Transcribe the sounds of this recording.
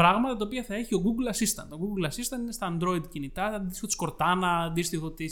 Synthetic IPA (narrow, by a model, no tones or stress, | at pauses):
pɾɐɣmɐt̪ɐt̪ɐopiɐθɐe̞çio̞ɡuɡlɐsist̪ɐ̰nd̪oɡuɡlɐsist̪ɐnd̪inest̪ɐːnd̪ɾo̞id̪cinit̪ɐðist̪i̥xot̪isko̞ɾt̪ɐnɐðist̪ixo̞t̪i